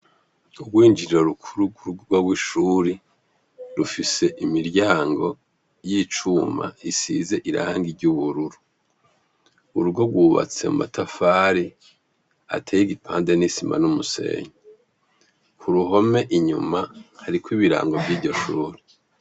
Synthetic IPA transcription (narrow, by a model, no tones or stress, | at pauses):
ubɡwiːnd͡ʒiɾoɾukʰuɾuɡuɾuɡoɡwaɡwiʃuːɾi | ɾufise̞ʔimiɾɟaːŋɡo̞ | jiːt͡ʃuma̰isḭze̞ʔiɾa̰ːŋɡiɟuβuɾuɾu | uɾuɡoɡwuːβa̰t͡se̞̰mṵma̰tʰafaːɾi | a̰tʰeːjiɡipʰaːnde̞nisima̰numuse̞̰ːɲo | kʰuɾuɦo̞me̞ʔiɲṵmahaɾikwiβiɾa̰ːŋɡo̞vɟiːɾɟo̞ʃuːɾi